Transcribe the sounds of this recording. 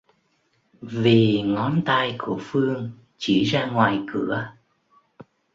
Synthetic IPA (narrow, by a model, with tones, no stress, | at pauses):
vi˨˩ŋɔ˨˦nt̪aː˧jku˧˩əfɨ˧əŋ | t͡ɕi˧˩zaː˧ŋwaː˨˩jkɨ˧˩ə